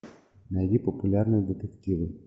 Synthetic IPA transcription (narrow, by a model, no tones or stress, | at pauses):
nɐjdʲipəpʊlʲarnɨjd̪ɪt̪ɪktʲiʋɨ